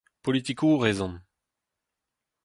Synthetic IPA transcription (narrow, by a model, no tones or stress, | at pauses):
pɔlit̪ikoʁeːzɑ̃n